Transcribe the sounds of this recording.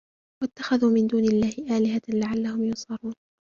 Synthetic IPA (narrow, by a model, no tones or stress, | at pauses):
wat̪ːaxaðuːmɪnd̪uːnɪlːaːhɪʔaːlɪɦalaʕalːahʊmjʊsˤɑɾˤuːn